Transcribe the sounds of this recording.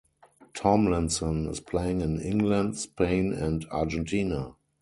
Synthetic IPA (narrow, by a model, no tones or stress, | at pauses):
tʰɔ̃mlɛ̃nsɔ̃nɪ̰spʰleɪɪ̃ŋɪ̃nɪ̃ŋɡlãntspʰẽɪ̃nɛ̃ntad͡ʒɛ̃ntʰiːna